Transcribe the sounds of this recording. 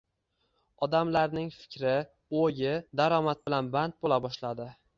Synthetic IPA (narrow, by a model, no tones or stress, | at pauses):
ɒd̪amlaɾnɪŋfɪ̥kʲɾɪ | ojɪd̪aɾɒmat̪̚bɪlanbant̪̚bolabɒʃlad̪ɪ